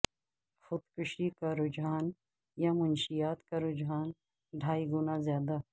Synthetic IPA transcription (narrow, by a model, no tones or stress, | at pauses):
xʊt̪kʊʃikaɾʊd͡ʒaːn | jamʊnʃijaːt̪kaɾʊd͡ʒaːn | ɖʱaːiɡʊnazjaːd̪a